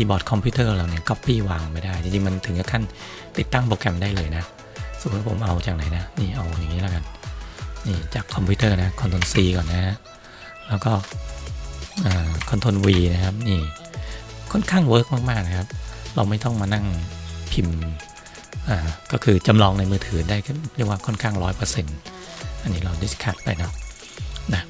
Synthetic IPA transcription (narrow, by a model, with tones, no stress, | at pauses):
iː˧˩bɔː˨˩t̪̚kʰɔ˧mpʰi˦˥˩t̪ʰɤː˥˩˧laː˧wni˥˩ɐkɔ˦˥˩pːiː˥˩waː˧ŋʔnpa˧˩jdaː˥˩jt͡ɕi˧ŋt͡ɕi˧ŋma˧nt̪ʰɯ˩˦ka˧˥kʰa˥˩n | t̪i˨˩t̪ːa˥˩ŋpɾoː˧kʰɛ˧mdaː˥˩jlɤː˧jna˦˥ʔ | spʰo̰˩˦mʔa˧wt͡ɕaː˨˩k̚na˨˩˦jna˦˥niː˥˩ʔa˧wjaː˨˩ŋːiː˦˥la˧˥˩ka˧n | niː˥˩t͡ɕaː˨˩kʰːɔ˧mpʰuː˦˥t̪ʰɤː˥˩na˦˥kʰɔ˧nt̪ʰo˧nsiː˧kɔː˨˩nːa˦˥ | lɛː˦˥wkɔː˥˩ | ʔaː˨˩kʰɔ˧nt̪ʰo˧nwiː˧na˦˥kʰa˦˥p̚niː˥˩ | kʰɔ˥˩nkʰaː˥˩ŋwɤː˦˥k̚maː˥˩k̚maː˥˩k̚na˦kʰa˦˥p̚ɾa˧wma˥˩jt̪ɔ˥˩ŋmaː˧na˥˩ŋpʰi˧m | ʔaː˨˩kɔː˥˩kʰɯː˧t͡ɕa˧mlɔː˧ŋna˧jmɯː˧t̪ʰɯː˩˦daː˥˩ji˦˥˩waː˥˩kʰɔ˥˩nkʰaː˥˩ŋɾɔː˦˥jpɤː˧se˧n | ʔa˧nːiː˦˥ɾa˧wdḁ˥˩˨kʰa˨˩t̪̚pa̰˧jnɔ˦˥˩ | na˦˥